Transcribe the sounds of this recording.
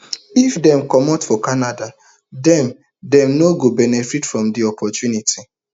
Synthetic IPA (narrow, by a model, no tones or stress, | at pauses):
ifdɛ̃mkɔmɔtfɔkanada | dɛ̃m | dɛ̃mnoɡobɛnɛfitfɹɔ̃mdiɔpʰɔtjunitʰi